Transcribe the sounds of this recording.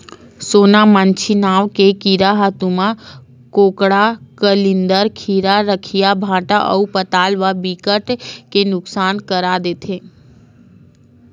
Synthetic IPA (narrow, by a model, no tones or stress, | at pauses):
sonamant͡ʃʰinaʋkekiɾaɦət̪ũmã | kokɽakəlind̪əɾkʰiɾaɾəkʰijabʱãʈaʔə̰upət̪alʋabikəʈkenʊksankəɾad̪et̪ʰe